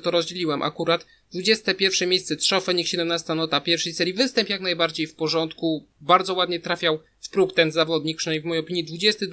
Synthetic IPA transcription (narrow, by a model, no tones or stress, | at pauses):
t̪ɔɾɔzd͡ʑelʲiwɛmʔa̰kuɾat̪ | d̪vud͡ʑɛst̪ɛpʲjɛɾfʂɛmʲjejst̪sɛt̪ʂɔfɛɲikɕɛd̪ɛmnast̪anɔt̪apʲjɛɾfʂɛjsɛɾʲjivɘst̪ɛmpjaknajbaɾd͡ʑejfpɔʐɔnt̪ku | baɾd̪zɔwad̪ɲɛt̪ɾafʲjaw | fpɾukt̪ɛnzavɔd̪ɲik̚pʂɨnʲivmɔjejɔpʲiɲid̪vud͡ʑɛst̪ɘ